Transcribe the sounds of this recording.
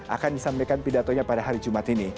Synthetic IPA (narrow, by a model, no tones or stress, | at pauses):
ʔa̰kandisampajkanpidat̪oɲapadaɦaɾid͡ʒumat̪ini